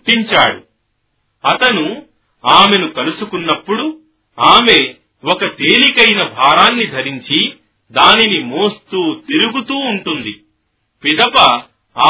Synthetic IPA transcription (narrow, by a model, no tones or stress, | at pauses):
ʈːiɲt͡ʃaːɽu | ɐt̪ɐnu | aːme̞nukɐlusukunːɐpːuɽu | aːme̞ː | wɔkɐt̪e̞ːlikɐjnɐbʱaːɾaːnːid̪ʱɐɾiɲt͡ʃi | d̪aːninimoːst̪uːt̪iɾuɡut̪uːɳʈund̪i | pid̪ɐpɐː